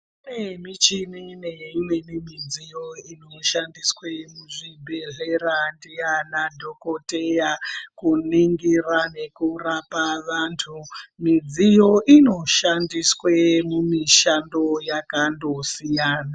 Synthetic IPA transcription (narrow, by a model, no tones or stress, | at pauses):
unemit͡ʃinineimwenimid͡zijo̞inoʃandiswemuʐibʱe̞ɮeɾandijanadʱokotejakuniŋɡirane̞kurapaʋaːntʰumid͡zijo̞ʔino̞ʃandiswemumiʃandojakando̞sijaːna